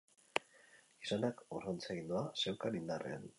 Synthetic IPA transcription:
isanakoront͡seɣind̪uase̞wkalind̪arʔḛa̰n

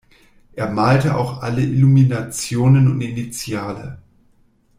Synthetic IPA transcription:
ʔeːɐmaːltəʔa̰ʊxʔaləʔɪluminat͡sjoːnənʊntɪnit͡sjaːlə̰

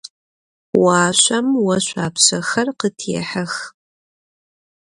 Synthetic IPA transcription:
waːɕʷʼɐmwɐɕʷʼaːpɕɐxɐrqətʰeːħɐx

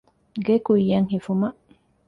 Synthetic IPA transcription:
ɢekuijaŋhifuma

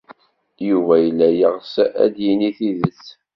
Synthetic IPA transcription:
juvæjəlːæjəʁsæ̰d̪jiniθiðəs

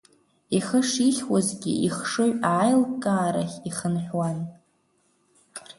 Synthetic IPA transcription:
iχəʂiχʲwazɡʲḭiχʂɨʕʷaːjlkʼaːɾaχʲiχənħʷᶣwan

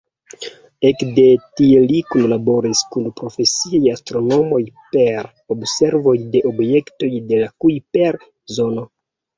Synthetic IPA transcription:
ekde̞tielikunlabo̞ɾiskunpɾo̞fe̞siajastɾo̞no̞mo̞jpe̞ɾ | obse̞ɾvo̞jde̞ʔobje̞kto̞jde̞lakujpeɾ | zo̞no̞

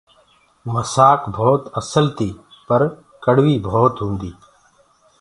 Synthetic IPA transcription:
məsaːkbʱoːt̪əsəlt̪ʰiː | pəɾ | kəɽʋiːbʱɔːt̪ɦũːnd̪iː

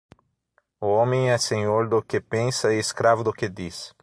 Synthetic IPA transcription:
ʊõmẽj̃ɛsẽɲoɾd̪ʊkepẽnsɐɪeskɾavʊd̪ʊked̪is

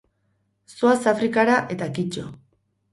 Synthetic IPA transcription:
soasafɾikaɾaʔe̞t̪akit͡ʃo

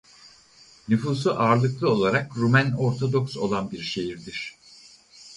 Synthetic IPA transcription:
nyfuːsuʔaːɾlˠɯklˠɯo̞lˠaɾakɾumæno̞ɾt̪ʰo̞d̪o̞kso̞̰lˠanbiɾʃe̞jiɾd̪iɾ̥

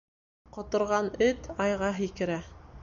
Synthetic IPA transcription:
qŏt̪ŏɾʁɑnɘt̪ɑjʁɑɦikɘ̆ɾæ

